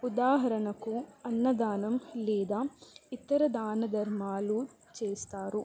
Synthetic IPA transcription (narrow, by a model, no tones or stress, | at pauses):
ud̪aːɦɐɾɐɳɐkuɐnːɐd̪aːnɐmlɛːd̪aːit̪ːɐɾɐd̪aːnɐd̪ɐɾmaːlu | t͡ʃeːst̪aːɾu